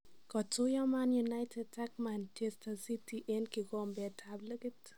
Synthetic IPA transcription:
kɔtujɔmanjunajtʰed̚takmantestasitiʔenkɪɡɔmbɛtʰabləɡit

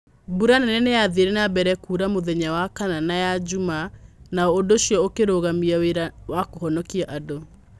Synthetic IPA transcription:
buɾananɛneaðeɾɛnabɛɾɛkuɾamoðɛɲawakananajad͡ʑumanaɔodoʃijɔokeɾoɣamiaweɾawakohɔnɔkiaʔado

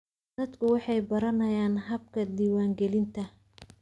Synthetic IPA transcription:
d̪̥ɐd̪kʰʊwɑħɑjbɐɾɐnɐjaːnɦɐb̚kʰɐd̪iːwaːŋɡɛlɪnt̪ʰɐ

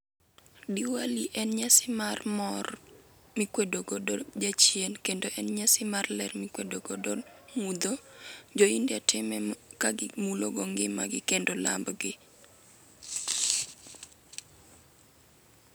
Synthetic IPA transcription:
diwaliʔɛnɲasɪmarmɔr | mɪkwedoɡodod͡ʒat͡ʃjenkendoʔɛnɲasɪmarlɛrmɪkwedoɡodomud̪od͡ʒoindatʰɪmɛkaɡɪmuloɡoŋɡɪma̰ɡɪkendola̰mbɡɪ

